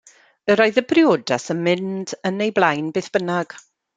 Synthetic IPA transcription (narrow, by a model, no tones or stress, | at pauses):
əɾoɨðəbrɪoːdasənmɪndənejblˠajnbeːθb̥ənaɡ̥